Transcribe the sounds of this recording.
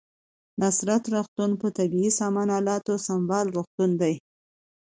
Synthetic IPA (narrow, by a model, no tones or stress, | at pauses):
nasɾat̪ɾoxt̪unpət̪abiisɑmɑnɑlɑt̪osambɑlɾoxt̪und̪aj